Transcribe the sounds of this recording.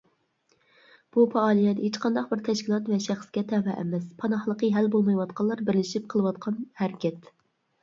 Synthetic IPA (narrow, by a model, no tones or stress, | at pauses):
b̥upʰɑɑːlˠijɛt̪het͡ʃqɑnd̪ɑqbɪɾt̪ʰɛʃkʲʰilˠɑt̪vɛʃæχsɡʲɛt̪ʰɛvɛʔæ̰mɛspʰɑnɑχlˠəqəɦælbolˠmɑjwɑt̪̚qʰɑlˠɑɾbɪɾlɪʃip̚qʰəlˠɨwɑt̪̚qʰɑnhæɾɪkʲɛt̪